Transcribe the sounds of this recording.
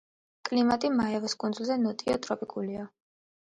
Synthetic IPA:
kʼlimat̪ʼimaɛvɔskʼund̪zulˠzɛnɔt̪ʼiɔt̪ʼɾɔpʼikʼulia

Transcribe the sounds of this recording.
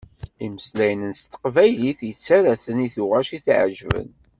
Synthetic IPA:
iməslæjənənst̪ə̥qvæjliθjət͡sːæɾæθəniθuʁæʃiθʕə̰ʒvə̰n

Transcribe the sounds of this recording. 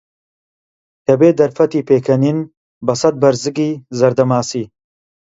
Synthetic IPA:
t̪ɐbeːd̪ɐɾfɐt̪iːpʰeːkʰɐnin | bɐsɐt̪̚bɐɾzɨɡiːzɐɾd̪ɐmaːsiː

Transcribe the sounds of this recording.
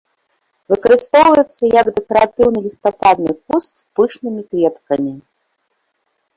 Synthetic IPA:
vɨkɐɾɨst̪ɔwvɐjɛt̪sːɐjɐɡd̪ɛkɐɾat̪ɨwnɨlʲist̪apad̪nɨkust̪pɨʂnɨmʲikvʲɛt̪kɐmʲi

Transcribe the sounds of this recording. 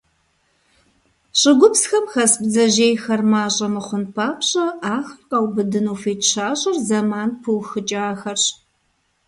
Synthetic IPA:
ɕʼɪɡʷʊpsxɐmxɐsbzɐʑeːjxɐrmaːɕʼɐmɨχʷʊnpʰaːpɕʼɐaːxrqʼawbɨdɨnuːfeːtɕaːɕʼɐrzɐmaːnpʰɨwxɨt͡ʃʼaːxɐrɕ

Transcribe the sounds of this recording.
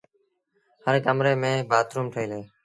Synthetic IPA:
həɾkəmɾeːmẽːbaːt̪ɾuːmʈʰəiːleː

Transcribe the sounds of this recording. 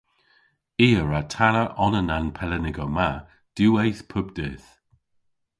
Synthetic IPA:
iːəɹatʰanəʔɔnənanpʰɛlənɪɡəma | d̥uːejθpʰʊbdɪːθ

